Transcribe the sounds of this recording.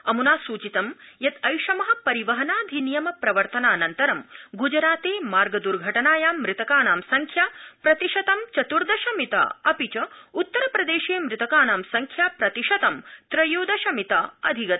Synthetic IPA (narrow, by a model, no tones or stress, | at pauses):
ɐmunaːsuːt͡ʃit̪ɐmjɐt̪ɐjʃɐmɐɦɐ̆pɐɾiʋɐɦɐnaːd̪ʱinijɐmɐpɾɐʋɐɾt̪ɐnaːnɐnt̪ɐɾɐmɡud͡ʒɐɾaːt̪eːmaːɾɡɐd̪uɾɡʱɐʈɐnaːjaːmːɾɪt̪ɐkaːnaːmsɐŋkʰjaːpɾɐt̪iʃɐt̪ɐmt͡ʃɐt̪uɾd̪ɐʃɐmit̪a̰ɐpit͡ʃɐut̪ːɐɾɐpɾɐd̪eːʃeːmɾɪt̪ɐkaːnaːmsɐŋkʰjaːpɾɐt̪iʃɐt̪ɐmt̪ɾɐjoːd̪ɐʃɐmit̪aːɐd̪ʱiɡɐt̪